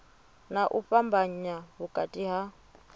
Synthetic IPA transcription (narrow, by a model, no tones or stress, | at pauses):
naʔuɸambaɲaɦukʼatʼiɦa